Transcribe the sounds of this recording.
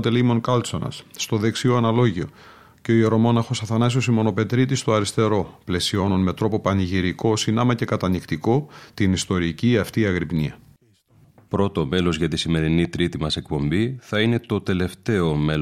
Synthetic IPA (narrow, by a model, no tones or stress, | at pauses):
t̪elimo̞ŋkɐlt͡sonɐ̰sːt̪o̞ðe̞ksioɐnɐlo̞ʝio̞ | ceo̞ieɾo̞mo̞nɐxo̞sɐθɐnɐsio̞simo̞no̞pe̞t̪ɾit̪ist̪o̞ɐɾist̪e̞ɾo̞ple̞sio̞no̞nme̞t̪ɾo̞po̞pɐniʝiɾiko̞sinɐmɐce̞kɐt̪ɐnikt̪iko̞t̪inist̪o̞ɾiciɐft̪iːɐɣɾipniɐ̰ | pɾo̞t̪ome̞lo̞zʝɐt̪isime̞ɾinit̪ɾit̪imɐse̞k̚po̞mbiθɐine̞t̪o̞t̪e̞le̞ft̪e̞o̞me